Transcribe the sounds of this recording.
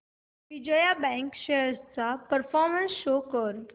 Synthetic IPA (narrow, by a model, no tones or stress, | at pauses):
ʋid͡ʑejabɛ̃ŋkɕeɦəɾst͡sapəɾfɔɾmənsɕokəɾ